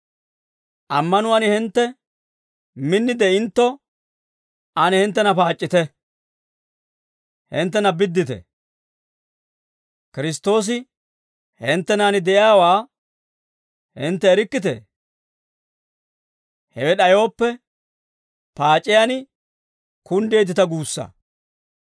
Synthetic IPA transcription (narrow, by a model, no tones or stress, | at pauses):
ʔɐmːɐnʊwanɪhɪnt̪ːɛ | mɪnːɪd̪ɛɪnt̪ːɔ | ʔɐnɪhɪnt̪ːɛnɐpaːt͡ʃʼːɪt̪ɛ | hɪnt̪ːɛnɐbɪd̪ːɪt̪ɛ̰ | kɪɾɪst̪ːo̞ːs̬ɪ | hɪnt̪ːɛnaːnɪd̪ɛjaːwaː | hɪnt̪ːɛːɾɪkːɪt̪ḛː | hɛwɛɗɐjo̞ːpːɛ | paːt͡ʃʼːɪjanɪ | kʊnd̪e̞ːt̪̬ɪt̪ɐɡuːsːɐ̰